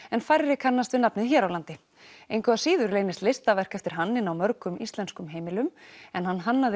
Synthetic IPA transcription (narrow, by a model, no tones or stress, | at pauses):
ɛnfajɾɾɪkʰanːast̪vɪnapnɪðçɛːɾawlant̪ɪ | ejnkʰʏðasiːðʏɾleːjnɪst̪lejst̪avɛr̥kɛft̪ɪɾ̥ɦanːɪnawmœɾkʏmist̪lɛnskʏmɦeːjmɪlʏmɛnhanːɦanːaðɪ